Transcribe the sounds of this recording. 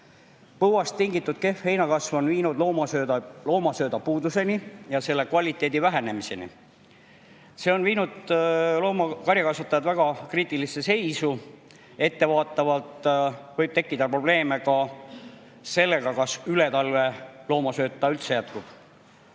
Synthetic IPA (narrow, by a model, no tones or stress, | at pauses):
pɤhwɑst̪ːiŋɡit̪ːˑud̪̥̚ke̞fhe̞jnɑkɑsvo̞nviːnud̪̥loːmɑsølo̞ːmɑsø̞ːd̪ɑpuːd̪use̞nijɑse̞lːe̞kvɑlʲit̪ːˑe̞ːd̪ivæɦe̞ne̞mise̞nḭ | se̞ːo̞nviːnud̪̥loːmɑkɑɾjɑkɑsvɑt̪ːˑɑjɑd̪væɡ̥ɑkriːt̪ːˑilisese̞jsu | e̞t̪ːe̞vɑːt̪ːˑɑvɑlt̪vɤjb̥̚t̪e̞kːid̪̥ɑpro̞b̥le̞ːme̞kɑ | se̞lːe̞ɡ̥ɑkɑsyle̞t̪ɑlve̞lo̞ːmɑsø̞ːt̪ːˑɑylt̪se̞jæt̪kub̥